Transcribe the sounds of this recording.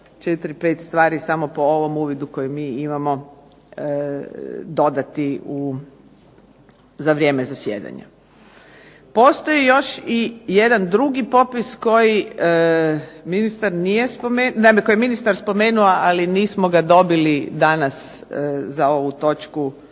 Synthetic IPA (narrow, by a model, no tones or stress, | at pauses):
t͡ʃet̪ɾipe̞ːt̪st̪ʋaːɾisamo̞po̞o̞ʋo̞muːʋid̪uko̞jumiːimamo̞ | d̪o̞d̪at̪iu | zaʋɾʲje̞ːmezasjḛːd̪a̰ɲa̰ | po̞st̪o̞jijo̞ʃije̞d̪and̪ɾuɡipo̞pisko̞jiə | minist̪aɾnijespomennameko̞jeminist̪aɾspo̞me̞ːnuaʔaliniːsmo̞ɡad̪o̞bilid̪anaszao̞ʋut̪o̞t͡ʃku